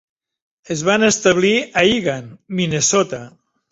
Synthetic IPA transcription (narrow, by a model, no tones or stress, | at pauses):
ezβanest̪aβ̞liaiɣanminesɔt̪a